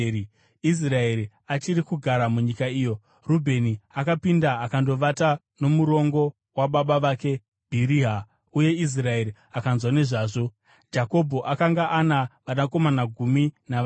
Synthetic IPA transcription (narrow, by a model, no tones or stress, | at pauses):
i | is̬rae̞ɾi | at͡ʃiɾikuɡʱaɾamuɲikaiːjo̞ | rubʱe̞niakapindaːkando̞ʋata | no̞muɾo̞ŋɡo̞ | waɓaɓaʋaːke̞ | b̥ʱiɾiɦa | uje̞is̬rae̞ɾi | akanzwane̞ʐaːʐo̞ | d͡ʒako̞bʱo̞ʔakaŋɡaʔanaʋanako̞manaɡʱumina